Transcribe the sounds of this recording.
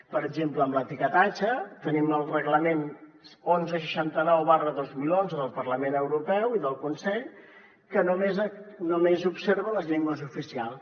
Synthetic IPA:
pəɾəɡd͡ʒempləːmlət̪ikət̪at͡ʃət̪əniməlˠrəɣləmen | onzəʃ̬əʃant̪ənɛwβarəðozmilonzəðəlˠpəɾləmenəwɾupɛwiðəlˠkunsɛʎ | kənomezənomezupseɾβələzʎɛŋɡwəzufisialˠ

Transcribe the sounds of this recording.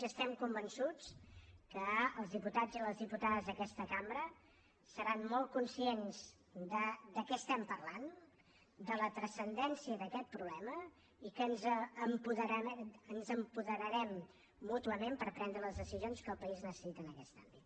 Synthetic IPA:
əst̪ɛmkumbənsut͡skəːlˠzðiput̪ad͡ziləzðiput̪aðəzðəkɛst̪əkambɾə | səɾanːɔl̚ˠkunsienz | d̪əd̪əkɛəst̪ɛmpərlan | d̪ələt̪ɾəsənd̪ɛnsiəðəkɛt̪̚pɾuβlɛmə | ikənzəmpuðəɾənzəmpuðəɾəɾɛmː | ut̪uəmempəɾpɾɛnd̪ɾələzðəsizijonskəlˠpəiznəsə̥sit̪əːnəkɛst̪a̰mbit̪

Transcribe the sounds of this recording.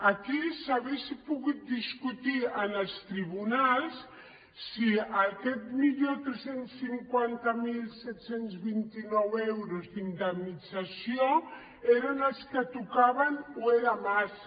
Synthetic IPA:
akisaβesipuɣut̪̚d̪iskut̪iənəlˠst̪ɾiβunalˠsː | iakɛt̪miʎot̪ɾesensːiŋkwant̪amilsɛt̪senzβint̪inɔwewɾozd̪ind̪əmnid͡zasio | eɾanəlskət̪ukaβanoeɾamas

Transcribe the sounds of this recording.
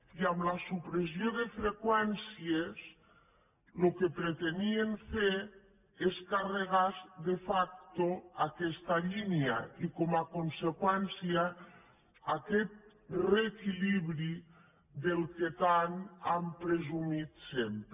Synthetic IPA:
iamlasupɾesjoðefɾekwɛnsies | lokepɾet̪enieɱfe | eskareɣazðefak̚t̪oakɛst̪aʎinjaikomakonsekwɛnsia | akɛt̪̚ | rekiliβɾi | ðelˠket̪anampɾezumit̪semp

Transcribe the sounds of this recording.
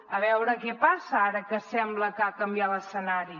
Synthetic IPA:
əβɛwɾəkɛpasəaɾəkəsɛmbləkakəmbjaləsənaɾi

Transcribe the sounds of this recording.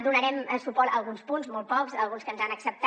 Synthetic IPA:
d̪unəɾɛmsupɔɾəlˠɣunspunzmɔl̚ˠpɔkzəlˠɣunskənzanəksəp̚t̪

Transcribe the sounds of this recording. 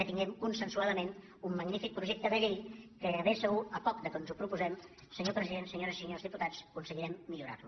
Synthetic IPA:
ət̪iŋɡɛmkunsənsuaðəmen | umːəɡnifik̚pɾuʒɛk̚t̪əðəʎejkəəβesəɣuəpɔk̚d̪əkonzupɾupuzɛm | səɲopɾəziðensəɲoɾəsiɲozðiput̪at͡skunsəɣiɾɛmːiʎuɾa̰ru

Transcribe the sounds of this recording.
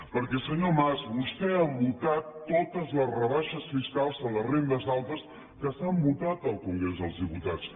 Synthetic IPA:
pəɾkɛsəɲomazbust̪ɛaβut̪at̪ːot̪əzləzrəβaʃəsfiskalˠzələrend̪əzðalˠt̪əs | kəsambut̪at̪əlˠkuŋɡɾezðəlˠzðiput̪at͡s

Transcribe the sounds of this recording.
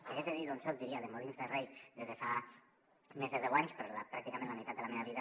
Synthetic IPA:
seɣezðeðiðonsot̪̚d̪iɾiaðemolinzðerejðezðefa | mezðeðɛwaɲspeɾolapɾakt̪ikamẽnlamit̪at̪d̪elameβaβiða

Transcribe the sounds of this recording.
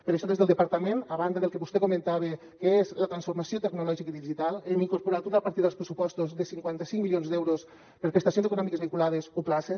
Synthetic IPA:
pəɾaʃɔðezðəlˠd̪epaɾt̪amẽnaβand̪əðelˠkeβust̪ekumẽnt̪aβe | keezlət̪ɾansfuɾmasiot̪eɡnulɔʒikiðiʒit̪alˠeniŋkuɾpuɾat̪oðapaɾt̪iɾðəlˠspɾesupɔst̪uzðesiŋkwant̪asiŋmilionzd̪ɛwɾos | pəɾpɾest̪asjonzekunɔmikezβiŋkulað̞ezoplase

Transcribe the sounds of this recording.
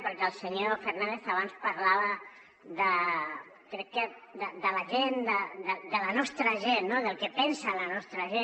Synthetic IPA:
pəɾkɛəlˠsəɲofeɾnãnd̪eθaβ̞anspaɾlaβə | ðə | kɾɛkːəd̪əd̪əlɐʒend̪əd̪əd̪əlanɔst̪ɾəʒenːoðəlˠkɛpɛnsalanɔst̪ɾɐʒe

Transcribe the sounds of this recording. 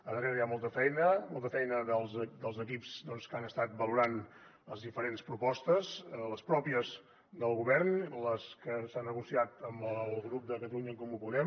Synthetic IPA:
əðəreɾəjamɔlˠt̪əfɛjnəmɔlˠt̪əfɛjnəðəlˠzd̪əlˠzəkipsd̪ɔnskanəst̪at̪̚bəluɾan | əzðifəɾenspɾupɔst̪əzləspɾɔpiəz | d̪əlˠɣuβɛɾnləskəsanːəɣusiat̪əmbəlˠɣɾup̚d̪əkət̪əluɲəŋkɔmupuðɛm

